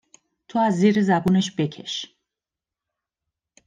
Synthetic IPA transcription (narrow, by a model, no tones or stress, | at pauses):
t̪ʰuaziɾizabunɛʃbɛkʰɛ̰ʃ